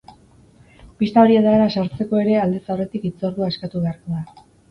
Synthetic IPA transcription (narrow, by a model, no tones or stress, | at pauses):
pist̪ao̞ɾiet̪aeɾasaɾt͡se̞ko̞e̞ɾe̞ald̪esawre̞t̪ikit͡so̞ɾðuaskat̪uβe̞aɾko̞ða